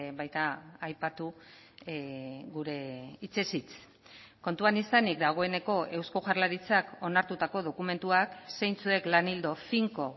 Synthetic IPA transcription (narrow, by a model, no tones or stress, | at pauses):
βajt̪aːjpat̪u | ɣuɾe̞it͡se̞sit͡s | ko̞nt̪uanisanikd̪aɣ̞o̞e̞ne̞ko̞e̞wskoʝarlaɾit͡sako̞naɾt̪ut̪ako̞ð̞o̞kume̞nt̪uakse̞jnt͡sue̞klanild̪o̞fiŋko̞